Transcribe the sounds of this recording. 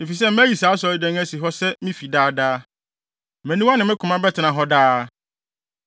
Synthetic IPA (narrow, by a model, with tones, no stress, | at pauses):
i˨fi˨sɛ˦m˦æ̃˦ji˨sa˨˦sɔ˨i˨dɛ̃˦ŋ˦æ˦si˨ɦɔ˦sɛ˦mĩ˦fi˨daː˦daː˦ | mæ̃˨nĩ˦wa˦nɪ̃˨mɪ̃˦kʰʊ̃˨mã˦bɛ˦tʰɪ˨nã˨ɦɔ˦daː˦